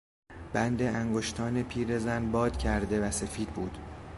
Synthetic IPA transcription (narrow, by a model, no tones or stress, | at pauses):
b̥ænd̪e̞æŋɡoʃt̪ʰɒːnepʰiːɾe̞zænbɒːd̪̥cʰæɾd̪e̞væse̞fiːd̪̚buːd̪̥